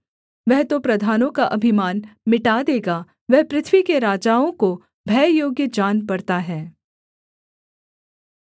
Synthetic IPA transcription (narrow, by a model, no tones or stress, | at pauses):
ʋɛɦt̪opɾɐd̪ʱaːnõkaʔɐbʱɪmaːnmɪʈad̪eːɡa | ʋɛɦpɾɪt̪ʰʋikeɾaːd͡ʒaːõko | bʱɛːjoːɡjəd͡ʒaːnpɐɾt̪aɦɛː